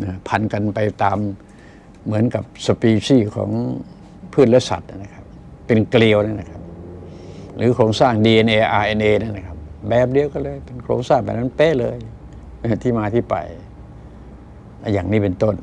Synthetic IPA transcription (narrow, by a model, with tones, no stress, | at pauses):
na˧˩pʰa˧nka˧npa˧jt̪aː˧mː | ɯ˩˦ənka˨˩p̚sa˧piː˧siː˥˩kʰɔ̰ː˩˦ŋ | pʰɯ˥˩˨n̚lɛː˦˥˩sa̰˨˩t̪̚na˧˥˩na˧˩kʰa˦˥p̚ː | e˧nkli˧əwna˦˥˩na˧˩kʰa˦˥p̚p | lɯː˨˦kʰoː˧ŋsaː˥˩ŋdiː˧ʔe˧nʔeː˧ʔaː˧ʔe˧nʔeː˧na˥˩˨na˧˩kʰa˦˥p̚bɛː˨˩p̚di˧əwkɔː˧˥˩lɤː˧jpe˧nkʰɾo̰ː˧ŋsaː˥˩ŋpa̰˧˩na˦˥˨npɛː˧˥˩lɤː˧j | ʔa˧˩t̪ʰiː˥˩maː˧t̪ʰiː˥˩pa̰˨˧j | ʔa˧˩jaː˨˩ŋniː˦˥˩pe˧nt̪o˥˩n